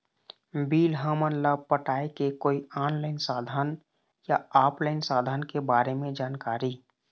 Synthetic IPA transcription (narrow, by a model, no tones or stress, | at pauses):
biːlɦəmənləbpəʈaːekekoːiaːnlaːɪnsaːd̪ʱaːn | jaaːpʰlaːɪnsaːd̪ʱaːnkebaːɾemẽd͡ʒaːnkaːɾi